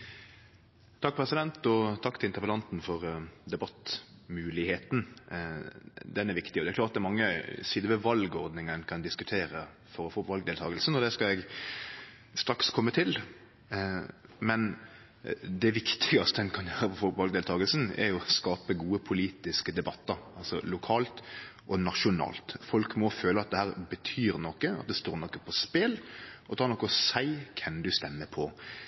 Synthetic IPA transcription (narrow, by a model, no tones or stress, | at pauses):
t̪ʰɑk̚ːpʰɾɛsɪd̪ɛnt̪ɔt̪ʰɑkːt̪ɪlɪnt̪əpəlɑnt̪n̩fɔʁd̪ɛbɑt̪ːmʉːlɪheːt̪n̩ | d̪ɛnæɾʋɪkt̪ɪɔd̪ɛæɾkʰlɑːt̪̚d̪ɛmɑŋːəsiːd̪əʋɛʋɑlɡɔɾd̪nɪŋənkʰɑnd̪ɪskʉt̪ʰeːɾə | fɔɾɔfoːʋɑlɡd̪eːlt̪ʰɑːɡəlsn̩ɔd̪ɛskɑɛɡ | st̪ɾɑkskʰɔmːət̪ʰɪl | mɛn | d̪ɛʋɪkt̪ʰɪɡɑst̪əɛnkʰɑnjøːɾəfɔfɔʋɑlɡd̪eːlt̪ʰɑːɡəlsn̩ɛ̰ɾjʊɔskɑːpəɡuːəpʰʊliːt̪ɪskəd̪ɛbɑt̪ːəɾɑlsɔlʊkʰɑːlt̪ʔɔnɑʃʊnɑ̰ːlt̪fɔlkmɔføːləɑt̪̚d̪ɛhæːʁbət̪ʰyːɾnɔkːəɑ̰t̪̚d̪ɛst̪oːɾnɔkːəpʰɔspɛlʔɔt̪ʰɑːɾnɔkːəɔsæɪkʰɛnd̪ʉst̪ɛnːəpʰɔ